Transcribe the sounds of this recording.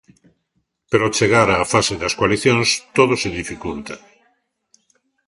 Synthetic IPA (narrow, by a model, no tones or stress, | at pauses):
peɾot͡ʃeɣaɾaːfaseðaskwaliθjoŋst̪oðoseðifikult̪a